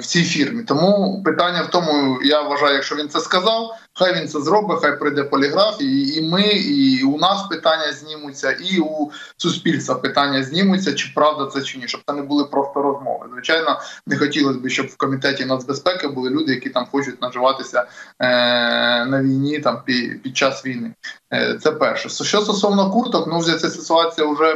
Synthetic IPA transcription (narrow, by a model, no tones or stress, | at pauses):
w̥t͡sʲijfʲirmʲit̪ɔmupɪt̪anʲːɐwt̪ɔmʊjaʋʋɐʒɑjʊjɐkʃt͡ʃɔʋʲint̪sɛskɐzɑw | xajʋʲint̪sɛzɾobɪxɑjpɾɪjd̪ɛpɔlʲɪɦɾɑfʲijiːmɪiunɑspɪt̪ɑnʲːjɐzʲnʲimʊt͡sʲːɐʔiu | sʊsʲpʲilʲst̪ʋɐpɪt̪ɑnʲːɐzʲnʲimʊt͡sʲːɐt͡ʃɪpɾɑʋd̪ɐt̪sɛt͡ʃɪnʲiʃt͡ʃɔb̚t̪ɛnɛbʊlˠɪpɾɔst̪ɔɾɔzmɔ̰ʋɪ̰zʋɪt͡ʃajnɔnɛxɔtʲilˠɐzʲbɪʃt͡ʃɔbwkɔmʲit̪ɛtʲinɐzbespɛkɪbʊlˠɪlʲud̪ɪjɐkʲit̪ɑmxɔt͡ʃʊtʲnɐʒɪʋɑt̪ɪsʲɐ | nɐʋʲijnʲit̪ɑmpʲipʲid̪̚t͡ʃɑsʋʲijnɪt̪sɛpɛrʃɛsʃt͡ʃɔst̪ɔsɔʋnɔkurt̪ɔknuwzʲɛsʲɛsɪt̪ʊɑt͡sʲijɐʊʒɛ